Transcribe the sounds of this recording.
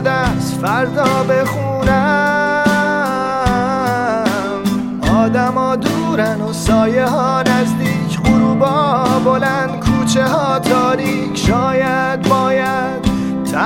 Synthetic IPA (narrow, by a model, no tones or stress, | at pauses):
d̪æst̪fæɾd̪ɒːbexuːnæ | m | ʔɒːd̪æmɒːd̪uːɾænosɒːjeɦɒːnæzd̪iːcʰɢoɾuːbɒːbolænd̪kʰuːt͡ʃʰeɦɒːt̪ʰɒːɾiːkʰʃɒːjæd̪̚bɒːjæ | d̪̥ | t̪ʰæ